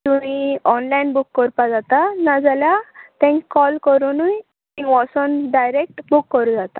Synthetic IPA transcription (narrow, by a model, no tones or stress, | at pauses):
t̪umiɔnlainbukːəɾpad͡zat̪anad͡zaljat̪ɛ̃ŋkɔlkəɾunuj | ĩʋɔsɔnɖajɾek̚ʈbukːəɾũd͡zat̪a